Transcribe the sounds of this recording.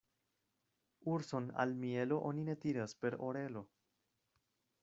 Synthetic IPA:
uɾso̞na̰lmielo̞ʔonine̞t̪iɾaspe̞ɾoɾe̞lo̞

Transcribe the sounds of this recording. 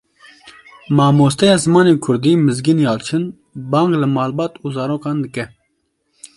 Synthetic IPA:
mɑːmoːst̪ɛjɑːzɨmɑːneːkʰʊɾd̪iːmɨzɡinjɑːlt͡ʃʰɨn | bɑːŋɡlɨmɑːlbɑːt̪uːzɑːɾoːkɑːnd̪ɨkɛ

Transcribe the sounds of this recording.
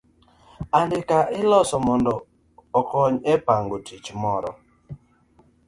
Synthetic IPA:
andɪkaʔɪlɔsɔmɔndɔː | kɔɲɛpaŋɡotit͡ʃmɔɾɔ̰

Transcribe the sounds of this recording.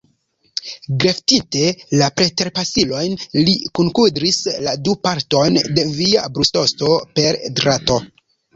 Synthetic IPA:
ɡɾe̞ftite̞lapɾe̞te̞ɾpasilo̞jnlikuŋkudɾisladupaɾto̞jnde̞via̰bɾusto̞sto̞pe̞ɾdɾato̞

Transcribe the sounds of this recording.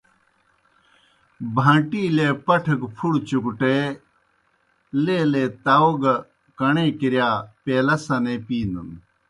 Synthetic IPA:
bʱãːʈiːlepɐʈʰɐkpʰuɽt͡ɕukʈe | leːleːt̪aoɡ | kɐɳeːkiɾjaːpeːlɐsɐneːpiːnd̪un

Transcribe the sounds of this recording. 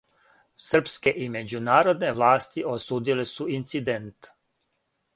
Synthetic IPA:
sr̩pske̞ʔime̞d͡ʑunaːɾo̞d̪ne̞ʋlˠaːst̪iʔosuːd̪ilesuint̪sid̪ent̪

